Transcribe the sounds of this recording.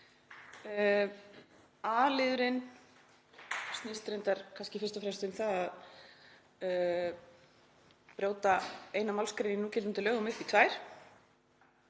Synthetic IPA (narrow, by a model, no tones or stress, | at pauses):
alɪðʏɾɪn | st̪niːst̪ɾejnt̪aɾ̥kʰanscɪfɪ̥rst̪ɔfɾɛmst̪ʏmθaðað | pɾjoːwt̪aeːjnamawlskɾejninuːcɛlɪnt̪ɪlœːɣʏmʏhpit̪ʰvaːjɾ̥